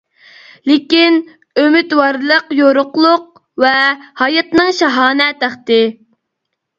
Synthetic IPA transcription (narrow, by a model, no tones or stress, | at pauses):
lɪkʲin | ømyt̪wɑɾlˠəqjoɾʊqlˠʊq̚ | vɛhɑjɑt̪nɨŋʃɑɦɑːnɛt̪æχt̪ɪ